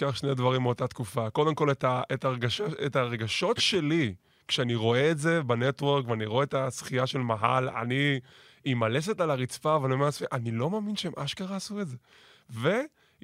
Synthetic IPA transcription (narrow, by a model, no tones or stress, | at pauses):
kaχʃne̞d̪vaʁimeot̪at̪kufako̞d̪e̞mko̞letaetaʁeɡaʃaetaʁeɡaʃo̞tʃe̞li | kʃeaniʁo̞eːtze̞bane̞t̪weʁkveaniʁoeetasχijaʃe̞lmaɦa̰la̰niː | male̞se̞talaʁit͡sfavanomeasfeʔanilo̞maːminʃeemʔaʃkaʁaːsuetze̞ | ve̞